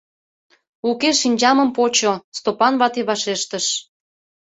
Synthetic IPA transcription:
ukeʃinʲd͡ʑɑməmpot͡ɕost̪opɑnβɑt̪eβɑʃeʃt̪əʃ

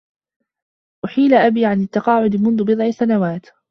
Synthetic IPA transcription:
ʔʊħiːlaʔabiːʕanɪt̪ːɑqɑːʕʊd̪ɪmʊnðʊbɨd̪ˤʕɪsanawaːt̪

